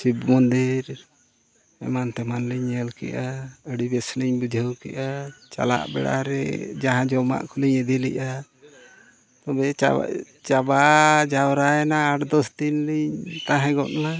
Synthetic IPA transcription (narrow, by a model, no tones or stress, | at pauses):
sibmɔnd̪iɾ | ɛ̰mant̪ɛmanliɲɛlkɛ̰ʔaəɽibɛsliɲbud͡ʒʱəwkɛ̰ʔat͡ʃa̰la̰ʔbɛɽa̰ɾɛ̰d͡ʒaɦãd͡ʒɔma̰ʔkʰɔliɲəd̪ilɛ̰ʔa | t̪ɔbɛ̰ | t͡ʃabad͡ʒawɾaɛnaːʈd̪ɔst̪inliɲt̪ãɦɛ̃ɡɔʔ̪na